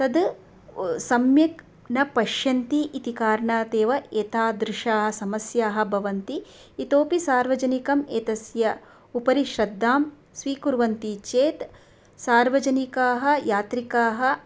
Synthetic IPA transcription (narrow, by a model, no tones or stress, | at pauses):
t̪ɐd̪ | sɐmjɐk | nɐpɐʃjɐnt̪iʔːt̪ikaːɾɳaːt̪eːʋɐeːt̪ʰaːd̪ɾɪʃaːɦɐ̆sɐmɐsjaːɦɐ̆bʱɐʋɐnt̪iː | t̪oːpisaːɾʋɐd͡ʒɐnikɐmeːt̪ɐsjɐ | upɐɾiʃɾɐd̪ʱːaːm | sʋiːkuɾʋɐnt̪it͡ʃeːt̪ | saːɾʋɐd͡ʒɐnikaːɦɐ̆jaːt̪ɾikaːɦɐ